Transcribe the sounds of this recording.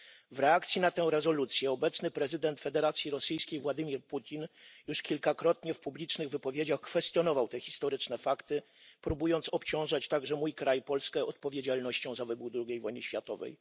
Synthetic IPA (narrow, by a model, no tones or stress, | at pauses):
vɾɛak̚t̪sʲjinat̪ɛ̃w̃ɾɛzɔlut̪sʲjɛɔbɛt̪snɘpɾɛzɘd̪ɛnt̪fɛd̪ɛɾat̪sʲjiɾɔsɘjskʲejvwad̪ɘmʲiɾput̪ʲinjuʂkʲilkakɾɔt̪ɲɛfpublʲit͡ʂnɘɣvɘpɔvʲjed͡ʑaxkfɛst̪jɔnɔvawt̪ɛxʲi̥st̪ɔɾɘt͡ʂnɛfakt̪ɘ | pɾubujɔnt̪sɔpt͡ɕɔ̃w̃ʐat͡ɕt̪aɡʐɛmujkɾajpɔlskɛɔt̪pɔvʲjed͡ʑalnɔɕt͡ɕɔ̃w̃zavɘbud̪ɾuɡʲejvɔjnɘ̰ɕfʲjat̪ɔvɛ̰j